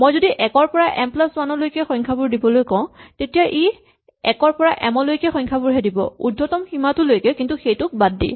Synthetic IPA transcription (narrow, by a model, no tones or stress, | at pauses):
mojzodiʔɛkɔɹpɔɹaʔɛmplaswanɔlojkɛxɔjŋkʰabuɹdibɔlojkɔʊ̃tetijaʔi | ɛkɔɹpɔɹaʔɛmɔlojkɛxɔjŋkʰabʊɹɦɛdibɔ̰ṵdʱːɔtɔmximatʊlojkɛkintuxejtʊk̚badːḭ